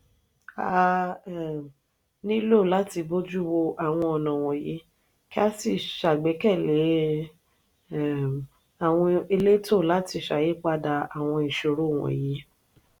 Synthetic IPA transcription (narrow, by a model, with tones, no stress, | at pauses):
a˨˧ | nĩ˦lo˦˨la˦ti˧bo˦d͡ʒu˦˨˦wo˧ʔa˨w̃ɔ̃˧ɔ˨nã˨w̃ɔ̃˨je˨˦ | ki˦a˦si˧˨ʃa˨ɡ͡bɛ˨˦kɛ˦˨le˨˦˨ | a˨w̃ɔ̃˧e˧le˦to˦˨la˨˦ti˧˨ʃa˨je˨˦k͡pa˦da˧a˨w̃ɔ̃˧i˨ʃo˨ɾo˨˦˨w̃ɔ̰̃˨je˨˦